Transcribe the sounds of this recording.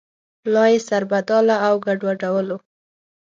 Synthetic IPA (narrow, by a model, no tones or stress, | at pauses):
plɑjesaɾbad̪ɑlaːwɡaɖwaɖawəlo